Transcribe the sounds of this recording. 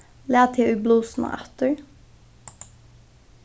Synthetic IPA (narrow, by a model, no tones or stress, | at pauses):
leːt̪ʰɪʔʉːbluːsn̩ə̰ʔæ̰t̪əɹ